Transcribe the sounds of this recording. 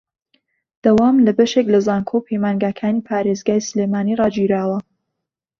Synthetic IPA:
d̪̥ɐwaːmlɐbɐʃeklɐzaːnkʰopʰejmaːnɡaːkʰaːniːpʰaːɾezɡaːjsɨleːmaːniːrɑːd͡ʒiɾaːwɐ

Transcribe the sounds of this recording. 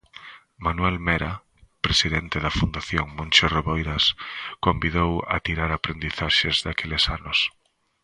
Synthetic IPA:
manwelmeɾa | pɾesiðent̪eðɐfund̪aθjoŋmõnʲt͡ʃoroβejɾaskombiðowa̰t̪iɾaɾapɾend̪iθaʃezðakelɪsanʊs

